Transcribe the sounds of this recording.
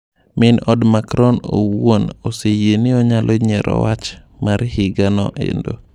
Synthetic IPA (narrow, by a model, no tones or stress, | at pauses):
mɪnɔdmakɾɔno̰wonosejenɪɔɲalʔoɲɛɾʔɔ̰wat͡ʃ | maɾhɪɡanɔ̰ʔḛndo